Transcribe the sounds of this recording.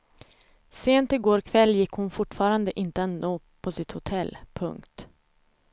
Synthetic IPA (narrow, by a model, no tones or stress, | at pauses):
seːnt̪ɪɡoːɾkʰvɛlːjɪkːhʊnfʊʈːfɑːɾand̪əʔɪnt̪əat̪noː | pʰɔsɪt̪hʊt̪ʰɛlːpʰɵ̰ŋkt̪